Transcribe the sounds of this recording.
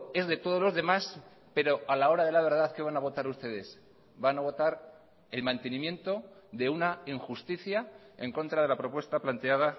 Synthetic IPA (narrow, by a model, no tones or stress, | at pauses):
e̞zðe̞t̪o̞ð̞o̞zlo̞zðe̞mas | pe̞ɾo̞ʔalao̞ɾaðe̞laβ̞e̞ɾð̞aθke̞β̞anaβ̞o̞t̪aɾust̪e̞ðe̞s | banaβ̞o̞t̪aɾ | e̞lmãnt̪e̞nĩmjẽ̞nt̪o̞ðe̞unaiŋxust̪iθja | eŋko̞nt̪ɾaðe̞lapɾo̞pwe̞st̪aplant̪e̞aða